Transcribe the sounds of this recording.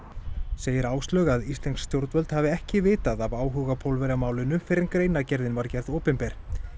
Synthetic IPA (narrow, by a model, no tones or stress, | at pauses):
seːjɪɾaːwst̪lœːɣaðist̪ɛnk̪sːt̪ʰjowɾt̪vœlt̪havɪɛhcɪvɪːt̪aðavaːwɦuɣapʰowlvɛɾamaːwlɪnʏfɪːɾɪɾkɾeːjnacɛɾðɪnvaɾcɛɾðoːwpɪmpɛɾ̥